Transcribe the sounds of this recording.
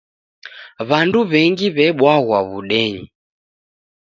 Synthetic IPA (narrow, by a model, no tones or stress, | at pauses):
βanduβɛŋɡiβɛɓwaɣwaβuɗɛɲi